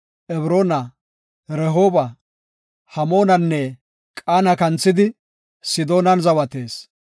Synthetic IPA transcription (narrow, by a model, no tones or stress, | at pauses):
ʔɛβɾo̞ːnɐ | ɾɛɦo̞ːbɐ | hɐmo̞ːnɐnːɛ | kʼaːnɐkɐnt͡sːɪd̪ɪ | sɪd̪o̞ːnɐnzɐwɐt̪e̞ːs